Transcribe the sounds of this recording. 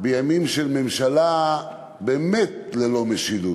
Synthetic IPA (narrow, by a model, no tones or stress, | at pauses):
bejamimʃelmemʃala | beːmet̪̚lelo̞meʃidu